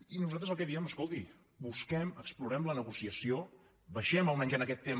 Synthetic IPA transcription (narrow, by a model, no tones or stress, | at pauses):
inuzat̪ɾəzəlˠkɛðiəməskolˠt̪i | buskɛməkspluɾɛmlənəɣusiəsio | bəʃɛməlˠmɛɲzənəkɛt̪ːem